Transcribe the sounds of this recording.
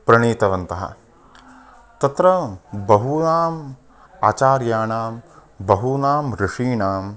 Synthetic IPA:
pɾɐɳiːt̪ɐʋɐnt̪ɐɦɐ̰ | t̪ɐt̪ɾɐbɐɦunaːm | aːt͡ʃaːɾjaːɳaːm | bɐɦunaːmɾɪʂiːɳaːm

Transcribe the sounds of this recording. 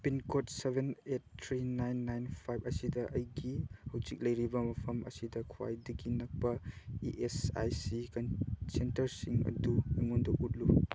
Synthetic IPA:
pinkotsebʱenet̚tʰːɾinajnːajnpʰajb̚ʰɐsidɐʔɐjɡihɐwzik̚lɐjɾibɐmɐpʰɐmʔɐsidɐkʰuwa̰jdɐɡinɐk̚pɐiʔesa̰jsikansentɐɾsiŋɐ̰duiŋondɐʔut̚lu

